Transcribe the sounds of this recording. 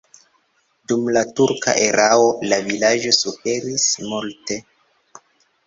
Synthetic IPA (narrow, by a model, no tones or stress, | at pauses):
dumlatuɾka̰ʔeɾʔao̞lavilad͡ʒo̞sufe̞ɾismulte